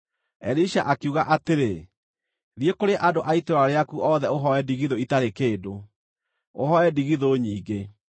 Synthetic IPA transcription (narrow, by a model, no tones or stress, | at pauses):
ɛɾiʃaʔakuɣaʔateɾe | ðiekoɾeʔadoʔaitoɾaɾeakuʔɔðɛoɦɔɛdiɣiðoitaɾekeːdo | oɦɔɛdiɣiðoɲiːɡe